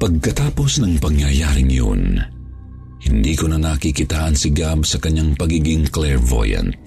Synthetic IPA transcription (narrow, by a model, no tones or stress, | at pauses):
pɐɡ̚kɐt̪aːpo̞snɐŋpɐŋjɐjaːɾɪŋjo̰n | hɪnd̪iːkʊnɐnɐkikɪt̪aːʔɐnsɪɡabsɐkɐɲaŋpɐɡiːɡɪŋklɛɹvo̰jɐ̰nt̪̚